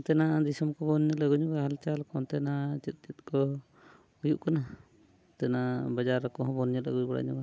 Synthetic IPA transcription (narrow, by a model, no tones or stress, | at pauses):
ɔt̪ɛnad̪isɔmkɔbɔnɲɛləɡuɲɔbaɦalt͡ʃalkɔnt̪ɛnat͡ʃɛt̪̚ˀt͡ʃɛt̪̚kɔ | ujuʔkɔna | t̪ɛnabad͡ʒaɾɔkɔɦɔ̃bɔnɲələ̰ɡujbɔɽa̰ɲɔba